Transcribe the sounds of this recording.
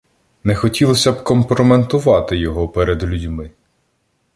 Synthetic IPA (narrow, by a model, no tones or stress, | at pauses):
nɛxɔtʲilˠɔsʲɐbkɔmpɾɔment̪ʊʋɑt̪ɪjɔɦɔpɛɾed̪lʲudʲmɪ